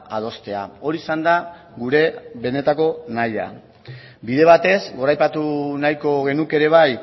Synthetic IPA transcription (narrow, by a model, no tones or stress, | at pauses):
að̞o̞st̪e̞a̰o̞ɾisand̪a | ɣuɾe̞βe̞ne̞t̪ako̞naja̰ | biðe̞β̞at̪e̞zɡo̞ɾajpat̪unajko̞ɣe̞nuke̞ɾe̞β̞aj